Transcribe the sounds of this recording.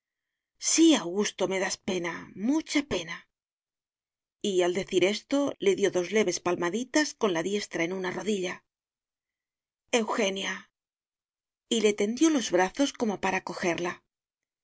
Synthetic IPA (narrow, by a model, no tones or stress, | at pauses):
siawɣust̪o̞me̞ðaspe̞namut͡ʃape̞na | iald̪e̞θiɾe̞st̪o̞le̞ðjo̞ðo̞zle̞βe̞spalmaðit̪asko̞nlaðje̞st̪ɾae̞nunaro̞ðiʎa | e̞wxe̞nja | ile̞t̪e̞nd̪jo̞lo̞zβɾaθo̞sko̞mo̞paɾako̞xe̞ɾla